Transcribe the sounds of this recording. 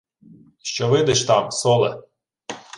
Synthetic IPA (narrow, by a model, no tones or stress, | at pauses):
ʃt͡ʃɔʋɪd̪ɛʃt̪ɑmsɔlˠɛ̰